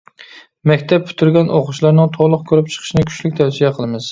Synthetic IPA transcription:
mækʲt̪ʰap̚pʰʊ̥t̪ʰʊɾɡʲanʔoqʊʃlaɾnɪŋt̪ʰɒlˠʊq̚kʲʰɵɾɪp̚t͡ʃʰɨ̥qʰɨ̥ʃɪnɪkʲʰy̥ʃlɪk̚ʲt̪ʰawsijaqʰəlˠɪmɪz̥

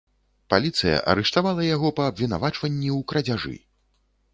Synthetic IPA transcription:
palʲit̪sɨjɐ̰ʔɐ̰ɾɛʂt̪avalˠɐjaɣɔpɐːbvʲina̰vat͡ʂvɐnʲːiuwkɾɐd͡zʲaʐɨ̰

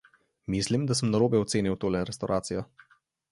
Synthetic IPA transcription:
miːslimd̪asəmnaɾoːbɛɔt̪seːniwt̪oːlɛɾɛst̪awɾʔaːt̪sijɔ

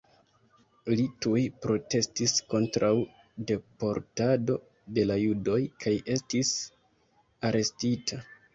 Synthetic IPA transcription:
litujpɾo̞te̞stisko̞ntɾaw | de̞po̞ɾtado̞ | de̞lajudo̞jkʰaje̞stis | aɾʔe̞stitʰa

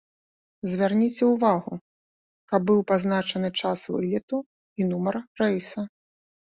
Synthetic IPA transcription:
zʲvʲarnʲit͡sʲɛwvaɣu | kɐb̚ːɨwpaznat͡ʂɐnɨt͡ʂasvɨ̰lʲit̪u | inumɐrrɛjsɐ

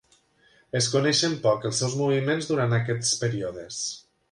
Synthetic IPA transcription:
eskunɛʃəmpɔkəlˠsɛwzmuβ̞imenzðuɾant̪ak̬ɛt̪spəɾioðes

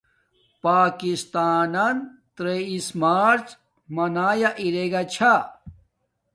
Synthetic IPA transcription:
paːkist̪aːnɐnt̪ɾeismaːɾt͡ɕ | mɐnaːjaʔiɾeɡat͡ɕʰa

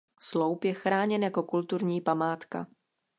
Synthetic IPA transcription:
slowpjɛxɾaːɲɛnjako̞kult̪uɾɲiːpamaːt̪ka̰

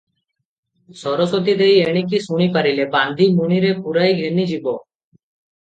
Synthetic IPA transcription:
sɔɾosot̪id̪ejeɽ̃ik̬isuɽ̃iːpəɾilebãːnd̪ʱiːmuñiɾepuɾaiɡʱenid͡ʒiboː

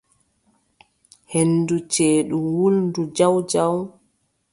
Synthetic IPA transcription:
henːdut͡ʃeːɗuwulndud͡ʒawd͡ʒaw

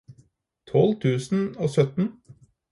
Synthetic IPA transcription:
t̪ʰɔlt̪ʰʉːsn̩oːsœt̪n̩

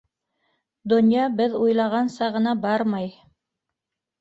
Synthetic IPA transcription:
d̪ŏnʲjɑbɘðujlˠɑʁɑnsɑʁɤ̆nɑbɑɾmɑj

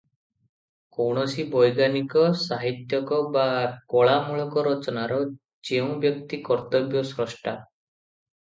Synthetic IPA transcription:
kowɳ̃ɔsibɔjɡanikɔsaɦit̪jɔkɔbakɔɭamuɭɔkɔɾɔt͡ʃɔnaɾɔ | d͡ʒeũbjɔk̚t̪ikɔɾt̪ɔbjɔsɾɔsʈʰa

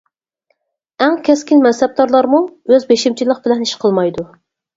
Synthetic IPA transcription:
æŋkʲʰɛskʲinmɛsɛb̚d̪ɑɾlˠɑɾmuøzbeʃimt͡ʃʰilˠəq̚b̥ɪlɛniʃqʰəlˠmɑjd̪u

